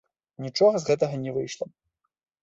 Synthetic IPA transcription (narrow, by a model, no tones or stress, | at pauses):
nʲit͡ʂɔɣɐzɣɛt̪ɐɣɐnʲɛvɨjʂlˠɐ